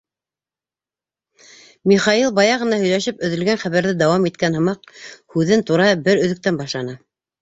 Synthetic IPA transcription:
miχɑjilˠbɑjɑʁɤ̆nɑhɵ̆jlæʃɘpɵ̆ðɵ̆lɡænχæβæɾðɘd̪ɑwɑmit̪kænhɤ̆mɑq̚hʉðɘnt̪uɾɑbɘɾɵ̆ðɘ̆k̚t̪ænbɑʃlˠɑnɤ

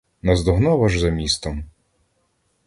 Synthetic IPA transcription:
nɐzd̪ɔɦnɔʋɐʒzɐmʲist̪ɔm

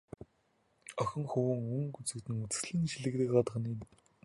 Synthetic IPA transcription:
œxʲɪ̆ŋxuwɘ̆ŋɵŋkut͡sɘ̆kt̪ɘ̆ŋut͡sɘ̥̆sɮiːŋʃiɮɘ̆kt̪ɘ̆kɢat̪ʁ̆nin

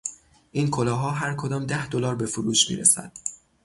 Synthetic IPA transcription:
ʔiːnkʰolɒːɦɒːɦæɾkʰo̞d̪ɒːmd̪æhd̪olɒːɾbe̞fuɾuːʃmḭːɾesæ̰d̪̥

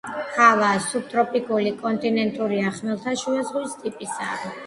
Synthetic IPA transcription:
χavasub̚t̪ʼɾɔpʼikʼulikʼɔnt̪ʼinɛnt̪ʼuɾiaχmɛlˠt̪ʰaʃuɛzʁwist̪ʼipʼisa̰

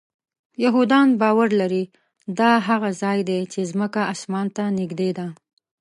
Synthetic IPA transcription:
jaɦud̪ɑnbɑwaɾlaɾi | d̪ɑɦaɣazɑjd̪et͡ʃezməkaasmɑnt̪anɪɡd̪ed̪a

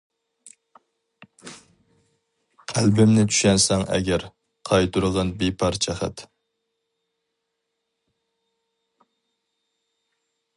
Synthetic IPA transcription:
qʰælbɪmnɪt͡ʃ̪ʰy̥ʃɛnsɛŋʔɛ̰ɡʲɛɾ | qʰɑjt̪ʰuɾəʁɑnbepʰɑɾt͡ʃʰɛχæ̰t̪

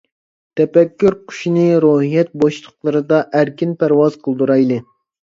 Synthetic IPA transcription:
t̪ʰɛpɛkʲːyɾqʰʊ̥ʃinɨɾoɦijɛt̪̚boʃlˠəqlˠɨɾɨd̪ɑʔæɾkʲinpʰæɾwɑzqʰəlˠd̪uɾɑjlˠɨ

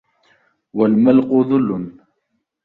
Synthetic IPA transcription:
walmalqʊðˤʊlːʊn

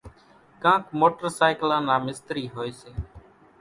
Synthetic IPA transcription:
kãːkmoːʈəɾsaːɪklãːnaːmɪst̪ɾiːɦoːeːseː

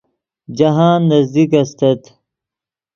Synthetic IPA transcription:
d͡ʑɐɦaːnːɐzd̪ikɐst̪ɐt̪

